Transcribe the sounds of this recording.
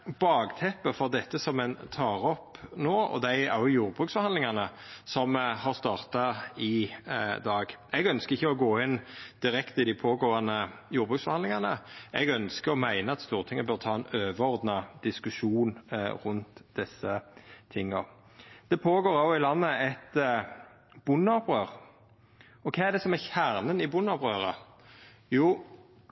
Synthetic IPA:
bɑːɡt̪ʰɛpːəfɔʁd̪ɛt̪ːəsɔmɛnt̪ʰɑːɾɔpnoːɔ̰d̪æɪæʁjʊjuːʁbʁʉːksfɔhɑnd̪lɪŋɑnəsɔmhɑʁst̪ɑːʁt̪ɑɪd̪ɑːɡɛɡœnskəʁɪçːəɔɡoːɪnd̪̥ɪɾɛkt̪əɪd̪ɪpʰoːɡoːɑnəjuːɾbʁʉːksfɔhɑnlɪŋɑnəɛɡœnskəɾɔmæɪnəɑt̪st̪uːʁt̪ʰɪŋːəbøʁt̪ʰɑːɛnøːʋəɔʁd̪nɑd̪̥ɪskʉʃuːnʁʊnt̪d̪ɛsːət̪ʰɪŋːɔ | d̪̥ɛpʰoːɡoːɾɑʊɪlɑnːəɛt̪ | b̥ʊnɑpʁøːʁ | ɔkʰɑːæd̪ɛsɔmæçæʁnənɪbʊnɑpʁøːʁə | juː

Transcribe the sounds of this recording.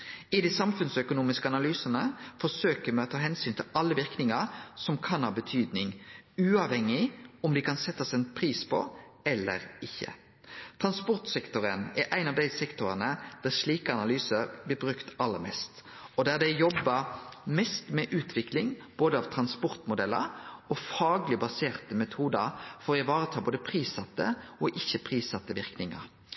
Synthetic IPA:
ɪd̪ɪsɑmfʉnsœkʊnuːmɪskəɑnɑlyːsənəfɔsøːkəmɛɔt̪ʰɑːɦɛnsyːnt̪ʰɪlɑlːəʋɪʁknɪŋɑsɔmkʰɑnhɑːbət̪ʰyːd̪nɪŋʉːɑʋhɛŋːɪɔmd̪ɪkʰɑnsɛt̪ːɑsɛnpʰɾiːspʰɔ̰ | ɛlːə̰ɾɪçːə̰ | t̪ʰʁɑnspɔʁt̪sɛkt̪ʊɾənæɾʔæɪnɑʋd̪æɪsɛkt̪ʊʁənəd̪̥æʂliːkəɑnɑlyːsəblɪɾbʁʉkt̪ɑlːəɾmɛ̰st̪ɔd̪æːʁd̪æɪjɔbːɑmɛst̪mɛʔʉːt̪ʰʋɪklɪŋb̥oːd̪əɑʋt̪ʰɾɑnspɔʁt̪mʊd̪ɛlːə̰ɾɔfɑːɡlɪbɑseːʁt̪əmɛt̪ʰuːd̪əɾfɔɪʋɑːʁət̪ʰɑːboːd̪əpʰʁiːsɑt̪ːə̰ɔʔɪçːəpʰʁiːsɑt̪ːəʋɪʁknɪŋɑ̰ɾ

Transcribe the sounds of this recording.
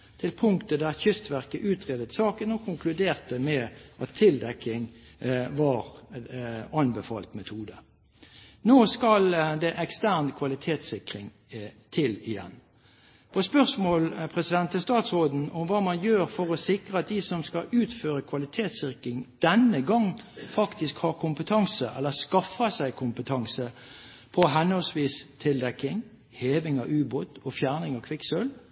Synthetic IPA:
t̪ʰɪlpʰʊŋkt̪əd̪æʁçʏst̪ʋæʁkəʔʉːt̪ʁeːd̪ət̪sɑːkənɔkʰʊŋkʰlʉd̪eːʁt̪əmɛʔɑt̪ʰːɪld̪ɛkːɪŋ | ʋɑʁ | ɑnbɛfɑ̰ːlt̪mɛt̪ʰuːd̪ə | noːskɑld̪ɛʔɛkst̪æʁnkʰʋɑlɪt̪ʰeːt̪sɪkʁɪŋ | t̪ʰɪlɪjɛ̰n | pʰɔspœʁsmoːlpʰɾɛsɪd̪ɛnt̪ːəst̪ɑːt̪sʁoːd̪n̩ɔmʋɑːmɑnjøːɾfɔʁɔsɪkɾəɑt̪̚d̪ɪsɔmskɑʉːt̪føːɾəkʰʋɑlɪt̪ʰeːt̪sɪʁkɪŋd̪̥ɛnəɡɑŋfɑkt̪ɪskhɑʁkʰʊmpət̪ʰɑŋsəʔɛ̰lːəskɑfɑsæɪkʰʊmpət̪ʰɑŋsə | pʰɔɦɛnhɔlsʋiːst̪ʰɪld̪ɛkːɪŋ | heːʋɪŋɑ̰ʋʉːboːt̪ɔfjæːʁnɪŋɑkʰʋɪksøl

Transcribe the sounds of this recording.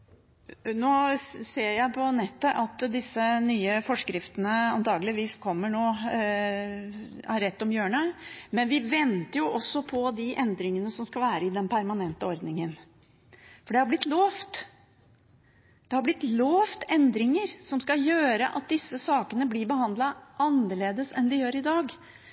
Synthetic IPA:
noːseːɾjæɪpʰɔnɛt̪ːəʔɑt̪d̪ɪsːənyːəfɔʂkɾɪft̪ənəɑ̰nt̪ʰɑːɡəlɪʋiːskʰɔmːəɳoː | æɾɛt̪ːɔmjøːɳəmɛnʋɪʋɛnt̪əɾjʊʔɔsːɔpʰɔd̪ɪʔɛnd̪ɾɪŋənəsɔmskɑlʋæːɾəɪd̪ɛnpʰæɾmɑnɛnt̪əɔɾd̪nɪŋən | fɔɖɛhɑɾblɪt̪loːft̪ | d̪̥ɛhɑɾblɪt̪loːft̪ɛnd̪ɾɪŋəɾsɔmskɑjøːɾəʔɑ̰t̪̚d̪ɪsːəsɑːkənəblɪɾbəhɑnd̪lɑʔɑnəɭeːd̪əsɛnd̪ɪjøːɾɪd̪ɑːɡ

